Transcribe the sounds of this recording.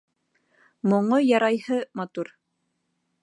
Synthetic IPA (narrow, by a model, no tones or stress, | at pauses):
moɴojɑɾɑjhɤmɑt̪uɾ